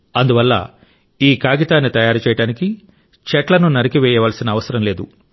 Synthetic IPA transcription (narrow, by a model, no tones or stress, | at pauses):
ɐnd̪uʋɐlːɐ̰ | iːkaːɡit̪aːnːit̪ɐjaːɾut͡ʃɛːjɐɽaːniki | t͡ʃɛʈlɐnunɐɾikiʋɛːjɐʋaːlɐsinɐːʋɐsɐɾɐmle̞ːd̪u